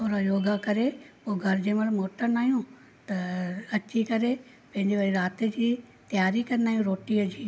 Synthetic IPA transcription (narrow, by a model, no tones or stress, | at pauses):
t̪ʰoːɾajoːɡakɐɾepoːɡʱɐɾd͡ʑẽːmɐlmoːʈənaːɦijũ | t̪ɐɐt͡ɕikɐɾe | pɐ̃ɦɪ̃ɲd͡ʑeʋaːɾiɾaːt̪ed͡ʑiː | t̪jaːɾikɐɾnd̪aːɦijũɾoːʈiəd͡ʑiː